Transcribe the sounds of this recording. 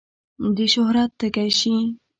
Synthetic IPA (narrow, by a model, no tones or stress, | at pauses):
d̪əʃʊhɾat̪ːəkajʃi